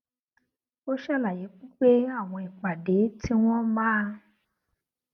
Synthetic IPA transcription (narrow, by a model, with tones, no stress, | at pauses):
o˦ʃɛ˦˨la˨je˨˦k͡pu˦k͡pe˦a˦˨w̃ɔ̃˧i˨k͡pa˨de˨˦tʰi˦w̃ɔ̃˦mãː˦˧